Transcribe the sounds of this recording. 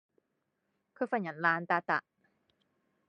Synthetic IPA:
kʰɯ˥˩fa˧˩ɲa˨˦nlaː˧nt̪aː˧t̪a̰˨˩ʔ

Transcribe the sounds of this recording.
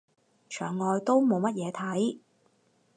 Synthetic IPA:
t͡ʃʰœː˨˩ŋːɔː˨˧jt̪o˥wmo˨˧wmɐ˥t̚jɛː˨˧t̪ʰɐ˨˥j

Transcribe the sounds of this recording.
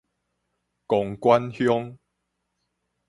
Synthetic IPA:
kɔ˨˩ŋkwa˦nhjɔ˦ŋ

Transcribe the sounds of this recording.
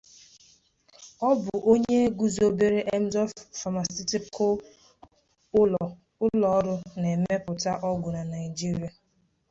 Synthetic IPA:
ɔ˦bʊ˨ʔo˦ɲe˦e˦ɡu˦zo˦be˦ɾe˦ʔe˦m̩˦zɔ˦fa˨ma˨si˦ti˦ko˦ | ʊ˦lɔ˨˦ɾʊ˦ne˨˦me˦pʊ˨ta˦ʔɔ˦ɡʊ˨na˨na˨ɪ˨d͡ʒi˦ɾi˨a˨

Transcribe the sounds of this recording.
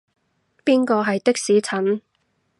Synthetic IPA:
piː˥nkɔː˧ɦɐ˨jt̪ɪ˥k̚siː˨˥t͡sʰɐ˨˥n

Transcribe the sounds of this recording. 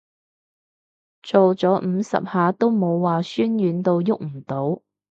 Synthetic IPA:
t͡so˨wt͡sɔː˨˥m̩˨˧sɐ̰˨p̚haː˨˧t̪o˥wmo˨˧wwaː˨syː˥nɥyː˨˥nt̪o˧wjʊ˥k̚m̩˨˩t̪o˨˥w

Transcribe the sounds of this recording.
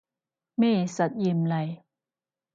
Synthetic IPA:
meː˥˩sa˨˦t̪̚je˧mla˧˩j

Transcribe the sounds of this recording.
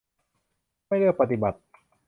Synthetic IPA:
a˥˩jlɯ˥˩k̚pa˧t̪i˨˩ba˨˩t̪̚

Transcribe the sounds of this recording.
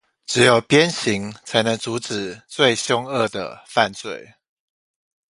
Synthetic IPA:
ʈ͡ʂɻ̩˨˥jo˨˩ʊpjɛ˦nɕi˨˦ŋt͡sʰa˧˥ɪnə˧˦ŋt͡su˨˧˥ʈ͡ʂɻ̩˨˩t͡swe˥˨ɪɕjʊ˥˦ŋə˥˩d̪ə̰˩fa˥˧nt͡swḛ˥˨ɪ

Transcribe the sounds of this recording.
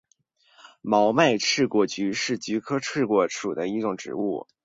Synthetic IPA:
mɑ˧˥ʊma˥˧ɪʈ͡ʂʰɻ̩˥˩kwɔ˥˩t͡ɕy˧˥ʂɻ̩˥˩t͡ɕy˧˥kʰɤ˥ʈ͡ʂʰɻ̩˥˩kwɔ˥˩ʈ͡ʂʰu˨˩d̪ə˦i˧˥ʈ͡ʂʊ˨˩ŋʈ͡ʂɻ̩̰˧˥ṵ˥˩

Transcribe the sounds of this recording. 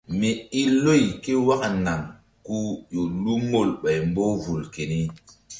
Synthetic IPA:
me˨i˦lːo˦˨jke˦wa˦kna˨ŋ | ku˦jo˨lu˦mo˦˨lɓa˨jmbo˦vu˨lke˨ni˦

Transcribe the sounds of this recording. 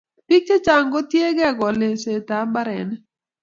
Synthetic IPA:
pi˦k̚t͡ʃe˦t͡ʃa˨ŋɡɔ˦tje˦ɡɛ˦˨ɡɔ˨le˨se˨ta˨˦ba˦ɾɛ̰˨n˦

